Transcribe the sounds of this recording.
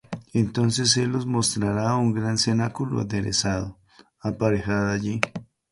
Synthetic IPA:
ent̪o̞nse̞s̬e̞lːo̞zmo̞st̪ɾaɾauŋɡɾansenakulo̰a̰d̪eɾḛsaðo | apaɾexaðaʝi

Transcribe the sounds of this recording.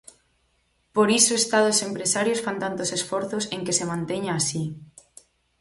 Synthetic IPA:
poɾisoest̪aðosempɾesaɾjosfant̪ant̪osesfoɾθosẽŋkesemãnt̪eɲaːsi

